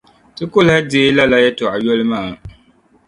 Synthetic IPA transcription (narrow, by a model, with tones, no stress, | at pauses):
tɨ˦kʊ˦lhɪ˦dɪ˦˨˦la˦la˦jɛ˦tʊ˨ʔa˨jo˦lɨ˦maː˦˨